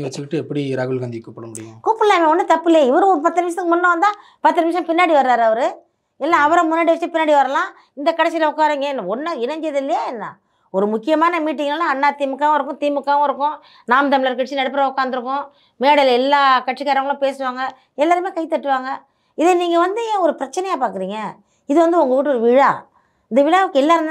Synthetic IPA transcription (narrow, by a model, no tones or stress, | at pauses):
nɡɐʋɐt͡ʃːɯkɪʈːɯɛpːɐɽiɾaːɣɯlɡand̪ikuːpːɐɽɐmʊɽɪjkuːpːɯlaːmẽɔnːɐt̪ɐpːɪlɐjɐɪʋɐɾɯ̃ɯpɐt̪ːɯnɪmʂ̬sɐɯkːɯmʊnːɐ̃ʋɐnd̪ãː | pɐt̪ːɐnɪmʋʂ̬ɐ̃pɪnːaːɽiʋɐɾɯaːɾɐʋɐɾɯ | ɛlːãːɐʋɐɾɐ̃mʊnːaːɽɯʋɐt͡ʃːɐpɪnːaːɽiʋɐɾɐlãː | ɪnd̪ɐkɐɽɛsɪlɐʊkːaːɾɐiːŋɡɐnːɐɔnːɐɪnɐɲd͡ʒɪɐðɪlːɐjaːɛnːa̰ | ɔɾɯmʊkːɪjɐmaːnɐmiːʈːɪŋɡɐlːãɐnːaːt̪iːmɯkːaːʋɐɪɾɯkːʊ̃t̪iːmɯkːaːʋɐ̃ɪɾɯkːʊ̃ | naːmt̪ɐmɪlɐɾkːɐʈt͡ʃːinɐɽɯp̬ːɐɾɐʊkːaːnd̪ɯɾɯk̬ːʊ̃ | meːɽɐlɛlːaːkɐʈʂikaːɾɐ̃ŋɡɐɭlʊ̃peːsɯʋaːŋɡɐ | ɛlːaːɾɯmeːkɐɪt̪ːɐʈːɯʋaːŋɡɐ | ɪðeniːŋɡɐʋɐnd̪ɯẽːɔɾɯpɪɾɐt͡ʃːɐnɛjaːpaːɾkɯɾiːŋɡɐ | ɪðɯʋɐnd̪ɯɔŋɡɐʋiʈːɯɔɾɯʋɪɻa̰ː | ɪnd̪ɐʋɪɻaːʋɯkːɛlːaːɾɯnd̪